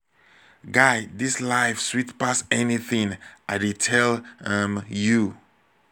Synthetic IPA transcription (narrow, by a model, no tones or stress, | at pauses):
ɡaɪdislaɪfswitpasɛniθĩŋʔaɪditʰɛlʌmju